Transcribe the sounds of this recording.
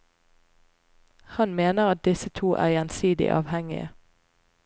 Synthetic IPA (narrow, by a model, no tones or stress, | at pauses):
hɑnmeːnəʁɑt̪̚d̪ɪsət̪ʰuːʔæ̰ːʁjeːnsiːd̪ɪ̰ʔɑ̰ːʋhɛŋɪə